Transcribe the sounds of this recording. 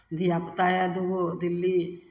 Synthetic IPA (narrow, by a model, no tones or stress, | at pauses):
d̪ijapət̪ajad̪oɡod̪ɪlːi